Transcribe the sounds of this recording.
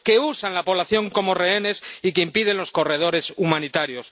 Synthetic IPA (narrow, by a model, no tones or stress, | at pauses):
ke̞usanlapo̞β̞laθjo̞ŋko̞mo̞re̞ene̞sikeimpiðe̞nlo̞sko̞re̞ð̞o̞ɾe̞sumãnit̪aɾjo̞s